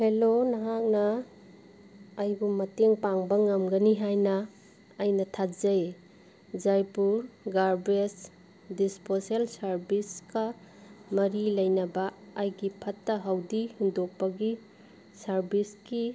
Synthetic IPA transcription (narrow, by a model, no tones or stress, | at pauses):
helonɐɦak̚nɐ | jbumɐteŋpaŋbɐŋɐmɡɐniɦajnɐː | jnɐtʰazɐj | zajpuɾɡaɾbɾes | disposelsɐɾbiskɐ | mɐɾilɐjnɐbɐːjɡipʰɐtːɐɦawdihindok̚pɐɡi | sɐɾbisɡi